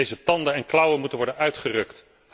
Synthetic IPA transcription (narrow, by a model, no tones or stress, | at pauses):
ejzətɑndəɛnklʌwənmutənʋɔɹdənœɥtχərɵkt